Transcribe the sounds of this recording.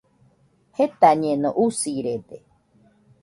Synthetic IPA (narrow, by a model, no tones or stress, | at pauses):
het̪aɲẽnõ̰ʔusiɾed̪e